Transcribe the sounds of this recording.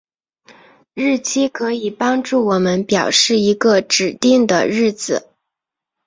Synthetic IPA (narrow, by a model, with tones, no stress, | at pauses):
ɻ̩˥˩t͡ɕʰi˥kʰɤ˧˥i˨˩pɑ˥ŋʈ͡ʂu˥˩wɔ˨˩mə˦npjɑ˨˩ʊʂɻ̩˥˩i˧˥ɡə˧ʈ͡ʂɻ̩˨˩t̪i˥˩ŋd̪ə̰˨ɻɻ̩˥˩d͡zɹ̩˩